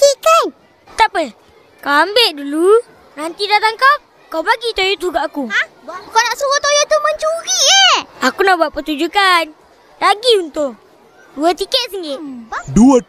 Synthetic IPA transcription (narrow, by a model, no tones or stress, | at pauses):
t̪ikan | t̪apə | kawambeʔdulu | rant̪idat̪aŋkaw | kawbaɡit̪ojot̪uɡaʔaku | kanaʔsɾuwɔt̪ojot̪uməɲt͡ʃuɣiʔeakunabuaʔpərt̪ud͡ʒukan | raɡiunt̪ʊʔ | duət̪ikɛt̪̚səŋɪʔ̪duə